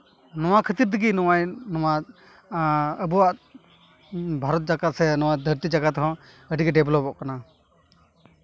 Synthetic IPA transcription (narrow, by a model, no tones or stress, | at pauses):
nɔwakʰət̪iɾd̪əɡinɔwajnɔwa | əbɔwaʔ | bʱaɾɔt̪̚d͡ʒaɡat̪̚sɛnɔwad̪ʱəɾt̪id͡ʒaɡat̪hɔ̃ | əɖiɡɛɖɛblɔpɔʔkana